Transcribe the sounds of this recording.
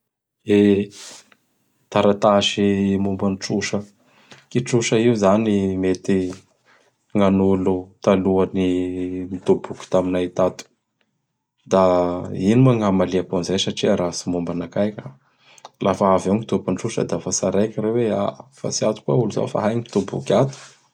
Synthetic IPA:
e | t̪aɾat̪aʃimumbanʈ͡ʂuʃə | kiʈ͡ʂuʃəiuzanimet̪i | ŋanulut̪aluanimid̪obuku̥t̪aminait̪at̪u̥ | d̪ainumaŋamaliaponzajsaʈ͡ʂiaɾasimumbanakajkʲə̥ | lʔafaɦavewŋit̪ubanʈ͡ʂuʃə̰d̪afasaɾajkʲiɾewea̰fa̰t͡siat̪u̥kuauluza̰fa̰ɦajŋi̥t̪ubṵkʲat̪u̥

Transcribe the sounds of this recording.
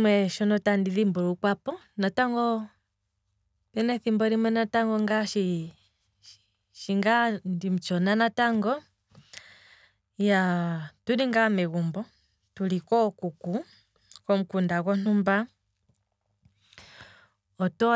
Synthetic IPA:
mwɛʃɔnɔtandiðimbɔlukwapɔnataŋɡɔ | pɛnɛθimbɔɾimwɛnataŋɡɔŋɡaʃi | ʃiŋɡandim̩t͡ʃɔnanataŋɡɔ | jatudiŋɡamɛɣumbɔ | tulikɔkuku | kɔm̩kundakɔn̥umba | ɔtɔ

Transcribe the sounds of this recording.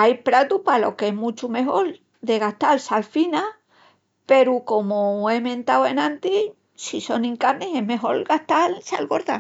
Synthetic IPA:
ajpɾat̪upalo̞̰keɦmũt͡ʃume̞ɦo̞l | d̪e̞ɣaht̪alsalfina | pe̞ɾuko̞moemẽ̞nt̪awe̞nãnt̪i | siso̞nĩŋkaɾnese̞ɦme̞ɦo̞̰ɾɡaht̪alsalɣo̞ɾða

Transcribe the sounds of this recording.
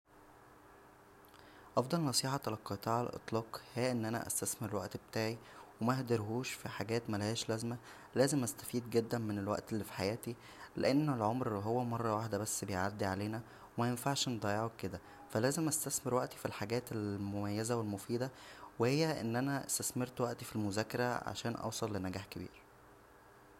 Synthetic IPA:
ʔɑfd̪ˤɑlnɑsˤiːħɑɑlɑqːɑt̪ˤɑːʕelʔḛt̪ˤlɑːqhejːæʔenːʔænæ̰ʔæ̰st̪æsmeɾelwæ̰ʔt̪bet̪aːʕiwemæhd̪ɑɾɦuːʃfiħaɡæːt̪mælæhæːʃlæzmæ | læːzemʔæst̪æ̥fiːd̪ɡed̪ːænmenelwæ̰ʔt̪elːiːfi̥ħajæːt̪i | lḛʔenːelʕomɾɦowːæmɑrˤːɑwaħd̪æbæsːbejʕad̪ːiʕaleːnæ | wemæjenfaʕʃend̪ˤɑjeʕokːed̪æ | fælæːzemʔæst̪æsmeɾwæʔt̪ifilħaɡæːt̪elmomæjːæzæwelmofiːd̪æwehejːæʔenːʔænæʔæ̰st̪æsmeɾt̪wæʔt̪ifilmozæːkɑɾˤæ̰ʕa̰ʃæːnʔɑ̰wsˤɑlːenæɡæːħkebḭːɾ

